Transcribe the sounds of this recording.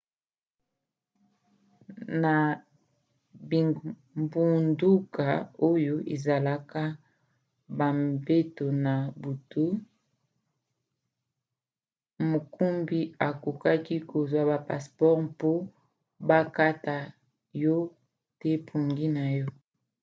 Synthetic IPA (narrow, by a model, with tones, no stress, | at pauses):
na˨ | bi˨ | mbu˨ndu˦ka˨o˦jo˦ʔe˨za˨la˦ka˦ | ba˨mbe˦to˨na˨bu˨tu˦ | mo˨ku˦mbi˦a˨ku˨ka˦ki˦ko˨zwa˦ba˨pa̰˨spɔ˦ʁpo˦ | ba˦ka˦ta˨ | jɔ˦ | te˦pʰu˨ŋɡi˦na˨jɔ˦